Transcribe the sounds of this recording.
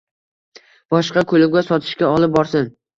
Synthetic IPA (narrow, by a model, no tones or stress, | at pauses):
b̥ɒʃqɑkʰɵlˠɪbʲɡʲasɒt̪ʰɪ̥ʃkʲaɒlˠɪp̚bɒɾsɪn